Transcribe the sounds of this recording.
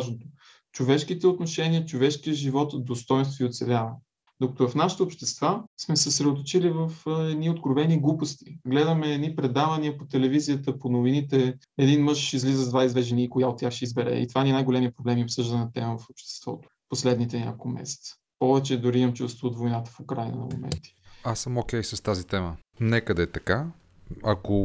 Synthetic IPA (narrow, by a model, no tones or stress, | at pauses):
ʒnot̪o̥ | t͡ʃovɛʃk̟it̪ɛot̪noʃɛniət͡ʃovɛʃkijəʒivɔt̪d̪ost̪ɔjnst̪voiot̪sɛlʲavə | d̪okə̥t̪ovɐfnaʃə̥t̪əopʃt̪ɛst̪vasmɛsɛsɾɛd̪ot̪̬ot͡ʃilivəfɛd̪niot̪kɾovɛniɡlˠupost̪i̥ɡlɛd̪əmɛːd̪nipɾɛd̪avɐniəpot̪ɛlɛviziət̪əponovinit̪ɛ | ɛd̪inmɤʃizlizəzd̪vaizvɛʒɛniːkojaot̪̚ʲːjaxʃɛizbɛɾɛ̰ḭt̪ovaniɛnajɡolɛmiəpɾoblɛmiopsɤʒd̪ənnɐt̪ɛməvɐfopʃt̪ɛ̥st̪vɔ̰t̪o̥poslɛd̪nit̪ɛnʲa̰kolˠmɛ̰sɛ̥t̪sə̥ | pɔvɛt͡ʃɛd̪ʊɾimɐmt͡ʃust̪voːt̪vojnat̪ə̥fokɾajnə̰nɐ̰mo̰mɛ̰nt̪i̥asəmokʲɛjsəst̪azit̪ɛmə | nɛkəd̪ɐɛːt̪ɐka | ɐ̰ko